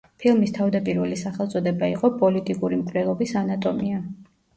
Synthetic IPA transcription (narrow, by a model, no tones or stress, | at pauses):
pʰilˠmist̪ʰavd̪apʼiɾvɛlisaχɛlˠt̪sʼɔd̪ɛbaiqʼɔpʼɔlit̪ʼikʼuɾimkʼvnɛlˠɔbisanat̪ʼɔmia